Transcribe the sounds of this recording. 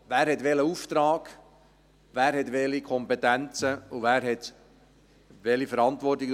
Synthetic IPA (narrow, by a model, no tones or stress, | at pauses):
ʋæːɾhɛtʋɛləuft̪ɾɑːɡ̥ | ʋæːɾɦɛt̪ʋɛlikʰɔmpɛtænt͡səuvæːɾɦɛt̪ | ʋɛlifəɾɑntʋɔrtiɡ